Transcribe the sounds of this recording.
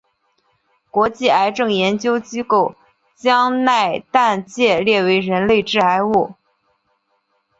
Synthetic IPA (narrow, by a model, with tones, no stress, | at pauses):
kwɔ˧˥t͡ɕi˥˩a˧˥ɪʈ͡ʂɤ˥˩ŋjɛ˧˥nt͡ɕjo˥ʊt͡ɕi˥ko˥˩ʊ | t͡ɕjɑ˥ŋna˥˧ɪt̪a˥˧nt͡ɕjɛ˥˧ljɛ˥˩we˧˥ɪɻə˧˥nle˥˧ɪʈ͡ʂɻ̩˥˩a˧˥ɪu˥˩